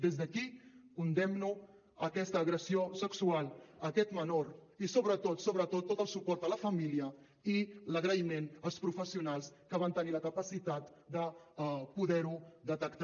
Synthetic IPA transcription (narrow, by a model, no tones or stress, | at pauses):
d̪ezðəkikund̪ɛmnu | əkɛst̪əːɣɾəsiosəksualˠəkɛt̪mənoɾisoβɾət̪ot̪soβɾət̪ot̪ːot̪əlˠsupɔrt̪ələfəmiliə | iləɣɾəimenəlˠspɾufəsiunalˠskəβant̪əniləkəpəsit̪at̪ | d̪əpuðɛɾud̪ət̪əkt̪